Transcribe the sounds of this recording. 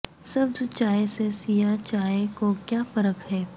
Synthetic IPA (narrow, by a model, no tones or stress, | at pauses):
sɐbst͡ʃaːesesijat͡ʃaːekokjaːfɐɾəkɦɛː